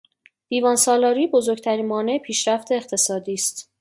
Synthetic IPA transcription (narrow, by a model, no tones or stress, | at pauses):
d̪̥iːvɒːnsɒːlɒːɾiːbozoɾɟ̚t̪ʰæɾiːnmɒːne̞epʰiːʃɾæft̪ʰe̞ːχt̪ʰe̞sɒːd̪iːst̪